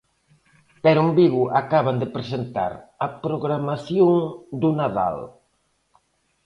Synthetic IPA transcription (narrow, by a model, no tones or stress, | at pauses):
peɾumbiɣuʔakaβand̪epɾesent̪a̰ɾɐpɾoɣɾamaθjoŋd̪unaða̰l